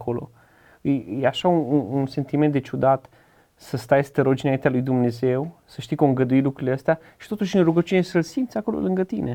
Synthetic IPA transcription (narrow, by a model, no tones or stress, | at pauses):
ko̞lo̞̰ | jeaʃaunuunse̞nt̪iment̪d̪e̞t͡ʃud̪at̪ | səst̪ajst̪əɾo̞d͡ʒiɨnaint̪ealujd̪umne̞ze̞wsəʃt̪ijkoɨŋɡəd̪uilukɾuileəst̪ea | ʃi̥t̪o̞t̪uʃʲɨnruɡət͡ʃunesəlsimt̪sʲako̞lo̞̰lɨŋɡət̪ine̞